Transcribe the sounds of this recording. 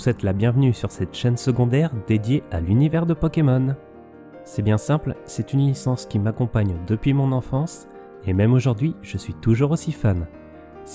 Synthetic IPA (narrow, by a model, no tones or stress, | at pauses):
swɛt̪labjɛ̃vnysyʁsɛt̪ʃɛnsəɡɔ̃d̪ɛʁd̪ed̪jeʔalynivɛʁd̪əpɔkʲemɔn | sɛbjɛ̃sɛ̃plsɛt̪ynisɑ̃skʲimakɔ̃paɲd̪əpɥimɔ̃nɑ̃fɑ̃s | emɛmoʒuʁd̪ɥiʒ̥əsɥit̪uʒuʁosifam | s